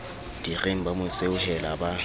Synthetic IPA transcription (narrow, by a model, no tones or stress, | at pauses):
d̥ireŋ̩bamʊseʊhɛlaba